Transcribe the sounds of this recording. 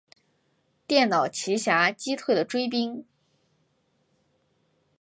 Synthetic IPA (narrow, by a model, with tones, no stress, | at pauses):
t̪jɛ˥˩nnɑ˨˩ʊt͡ɕʰi˧˥ɕja˧˥t͡ɕi˥t̪ʰwe˥˩ɪd̪ə˩ʈ͡ʂwe˥ɪp̬i˥ŋ